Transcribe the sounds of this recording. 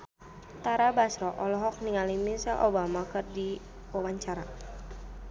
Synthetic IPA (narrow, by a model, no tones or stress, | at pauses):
t̪aɾabasɾɔʔɔlɔɦɔk̚niŋalimisɛlʔo̰bamakɨrdi | wawaɲt͡ʃaɾa